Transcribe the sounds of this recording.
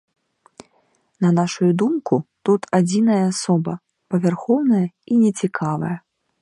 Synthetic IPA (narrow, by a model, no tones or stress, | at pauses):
nɐnaʂujud̪umkut̪ut̪ʰad͡zʲinɐjɐːsɔbɐ | pɐvʲarxɔwnɐjɐinʲɛt͡sʲikʰavɐ̰jɐ